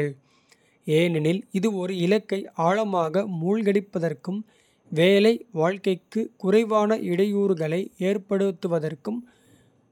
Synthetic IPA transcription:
ɐɭ | eːnɪnɪlɪðɯɔɾɯɪlɐkːɐɪaːɭɐmaːɣɐmuːɭɣɐɽɪpːɐðɐrkɯm | ʋeːlɐɪʋaːɻkɐɪkːɯkʊrɐɪʋaːnɐʔɪɽɐjuːɾɯɣɐɭɐɪeːrpɐɽɯt̪ːɯʋɐðɐrkɯm

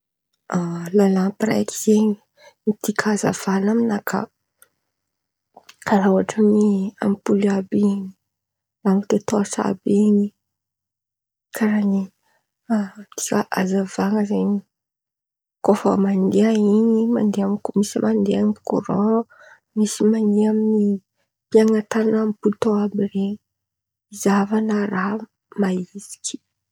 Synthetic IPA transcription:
alalapiɾa̰jki̥z̥eɲi̥ | mit̪ikʰaza̰v̥anaminakʰa̰ | kaɾawaʈ͡ʂənia̰mpuliabini̥ | lamit̪et̪oasa̰bini | kʰaɾani | t̪i̥kaʔazavaŋəzani | kofə̰mand̪eainima̰nd̪eamkmisimʔand̪eamko̰ɾõ | misimaneamini | piaŋat̪ananampult̪oabiɾe | izavanəɾa | maizi̥kʲi̥

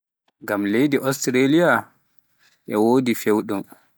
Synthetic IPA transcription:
ŋɡamlejdiʔɔstɾelija | ʔɛwoːdifewɗum

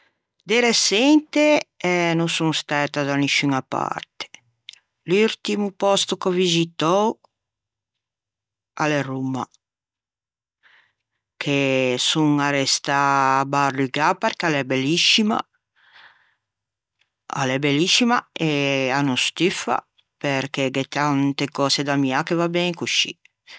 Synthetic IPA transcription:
d̪eɾesɛnt̪eɛnusuŋst̪ɛːt̪ad̪anisyŋapa̰ɾt̪e̥ | lult̪imupɔst̪ukovizit̪ɔw | a̰lerumːa̰ | kʰesuŋaɾɛst̪aːbaruiɡapɛɾkalebeliʃima̰ | a̰lebelːiʃimaeanust̪ifa̰ | peɾkeɡet̪ant̪ekɔːsed̪amiakevabɛŋkuʃḭ

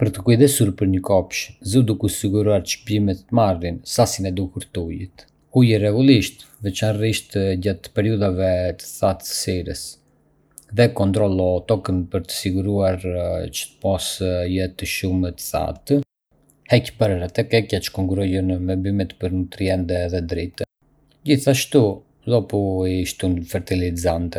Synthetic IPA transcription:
pəɾt̪əkujðɛsuɾpəɾɲəkɔpʃzud̪ukusiɡuɾuaɾʃpimɛt̪ːəmarinsasinɛd̪ukuɾt̪ujət̪ | ujərɛɡulˠiʃt̪vɛt͡ʃanriʃt̪ɟat̪pɛɾiuðavɛt̪ə̥θat̪ə̥siɾəs | ðɛkɔnt̪ɾɔlˠɔt̪ɔkənpəɾt̪ə̥siɡuɾuaɾt͡ʃə̥t̪ə̥pɔsjɛt̪əʃumət̪ə̥θa̰t̪ | hɛcbəɾɾɛt̪ɛkɛcat͡ʃə̥kɔŋkuɾujənmɛbymɛt̪pəɾnut̪ɾiɛnd̪ɛðɛd̪ɾit̪ə | ɟiθaʃt̪u | ðɔpuiʃt̪unfɛɾt̪ilizant̪ɛ

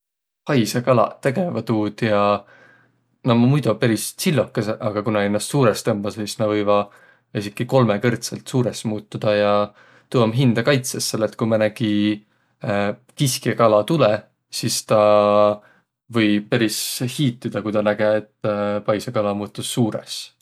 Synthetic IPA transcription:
pɑjsekɑlɑ̰t̪eɡ̥e̞vɑt̪uːd̪̥jɑ | nomɑmujd̪upeɾissilːokːˑeseʔɑɡ̥ɑkunɑenːɑst̪suːɾest̪ɤmb̥ɑssisnɑvɤjvɑ | isikːiko̞lmekɤrt̪selt̪suːɾesmuːt̪ːˑud̪̥ɑjɑ | t̪uwɑmɦind̪̥ɑkɑjt̪sesːelet̪̚ːkujmɑnæɡ̥i | kiskekɑlɑt̪ulɛ | sist̪ɑ | vɤj̚peɾishiːt̪ˑːid̪̥ɑkujt̪ɑnæɡ̥eet̪ːpɑjsekɑlɑmuːt̪ːˑusːuːɾḛs

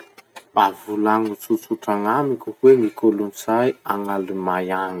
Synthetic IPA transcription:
avulaŋut͡sut͡suʈ͡ʂaŋamikʲuhweŋikolunsajaŋalimajaŋi̥

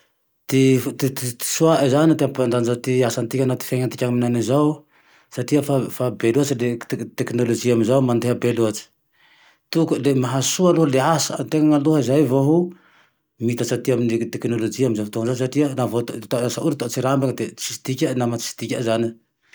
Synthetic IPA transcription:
t̪ift̪it̪it̪i̥suaʔazanit̪iampand̪anzat̪iasant̪ikʲanat̪i̥feɲant̪ikʲaŋminanizaw | saʈ͡ʂiəfafabeluat͡silet̪eknolod͡ʒiaminzawmand̪eɦəbeluat͡ʃi̥ | t̪ukulemaɦasualuɦəleasant̪eŋaŋaluɦəizajvoɦu | mit̪asat̪iaminit̪eknolod͡ʒiaminzafut̪oŋnzas̬aʈ͡ʂiənavot̪t̪aasauɾit̪ot͡siɾambaŋd̪e̥sist̪ikʲənamat͡si̥si̥t̪ikʲazani

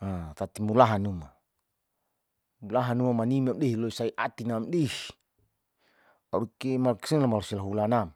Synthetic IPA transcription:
at̪at̪imulaɦanuma | mulaɦanumamanimiamdeɦiloisaiʔat̪inamdeh | aɾkemalki̥sinlamalosilaɦulanam

